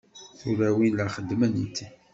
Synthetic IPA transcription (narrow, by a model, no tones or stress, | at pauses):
θuɾæwinlæχəd̪ːmənit̪ːi